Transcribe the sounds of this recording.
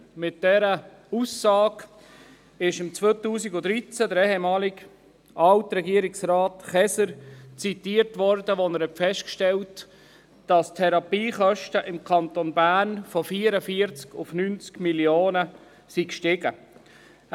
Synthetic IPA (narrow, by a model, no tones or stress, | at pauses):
mɪt̚d̥ɛɾə | usːɑːɡ | ɪʃɪmt͡sʋoːt̪uːsiɡʊd̪ɾit͡sædəɾɛɦɛmɑːlɪɡ | ʔɑltɾɛɡiəɾɪksrɑːtχɛsəɾt͡sit̪iːəɾtʋɔɾdəʋonəɾhɛtfɛʃtkʃtɛlt | d̥ɑstʰɛɾɑpiːχœʃtəʔɪmkʰɑnt̪onbæːɾnfɔfiːəɾəfiəɾt͡skʊfnynt͡skmiljoːnə | sikʃtɪɡə